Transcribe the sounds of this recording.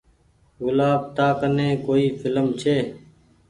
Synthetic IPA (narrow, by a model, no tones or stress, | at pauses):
ɣʊlaːb̚t̪aːkənẽːkoːiːfʰɪləmt͡ʃʰeː